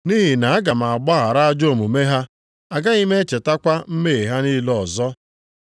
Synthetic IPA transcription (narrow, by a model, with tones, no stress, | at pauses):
ni˦ɦi˨na˨a˦ɡa˨ma˨a˨ɡ͡ba˦ɦa˨ɾa˦d͡ʒo˦˨mu˨me˦ɦa˦ | a˨ɡa˦i˦me˦t͡ʃe˨ta˦kʷa˦m̩˦me˦˨ɦa˦ni˦lɔ˨zɔ˦